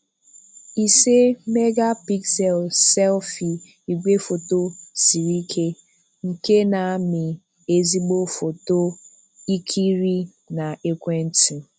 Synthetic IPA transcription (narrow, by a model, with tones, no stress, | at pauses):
i˨se˦me˦ɡa˦pi˦ksɛ˨lsɛ˦lfi˨ | i˨ɡʷe˦fo˨to˦si˨ɾi˦kʰe˦ | ŋ̩˨ke˦na˨a˦mɪ˨ | e˦zi˦ɡ͡bo˦fo˨to˦ | i˦kʰi˦ɾi˦ | na˨e˦kʷe˦n̩˦ti˨